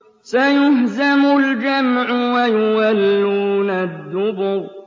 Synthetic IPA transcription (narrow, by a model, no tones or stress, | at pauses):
sajʊɦzamʊld͡ʒamʕʊwajʊwalːuːnad̪ːʊbʊɾ